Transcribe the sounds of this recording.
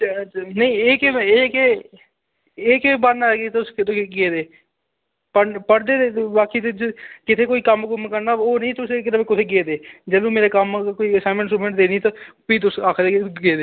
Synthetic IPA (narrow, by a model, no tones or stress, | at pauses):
nəĩːeːkeeːke | eːkebəɾnaːɡet̪ʊskt̪eɡeːd̪eː | pəpəɽd̪eːebaːkiːt̪ːkɪt̪ʰeːkoːiːkəmkʊmkəɾnaːoːnəĩːt̪ʊseːkɪɾəbekɪt̪ʰeːɡeːd̪eːd͡ʒəlõːmeːɾeːkəmkoːiːəsaːmə̃ɳsuːmə̃ɳʈd̪eːniːt̪apiːt̪ʊsaːkʰd̪eːɡeːd̪eː